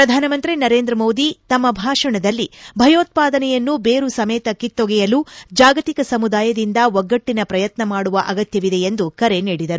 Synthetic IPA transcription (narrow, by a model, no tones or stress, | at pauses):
pɾɐd̪ʱaːnɐmɐnt̪ɾinɐɾe̞ːnd̪ɾɐmo̞ːd̪it̪ɐmːɐbʱaːʂɐɳɐd̪ɐlːibʱɐjoːt̪̚paːd̪ɐnɛjɐnːubeːɾusɐmɛːt̪ɐkit̪ːoɡɛjɐlud͡ʒaːɡɐt̪ikɐsɐmud̪aːjɐd̪ind̪ɐʋɔɡːɐʈːinɐpɾɐjɐt̪nɐmaːɽuʋɐʔɐɡɐt̪jɐʋid̪e̞end̪ukɐɾe̞niːɽid̪ɐɾu